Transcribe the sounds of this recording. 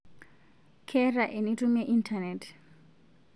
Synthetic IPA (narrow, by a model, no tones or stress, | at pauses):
kʰɛraʔenitumeʔintʰanetʰ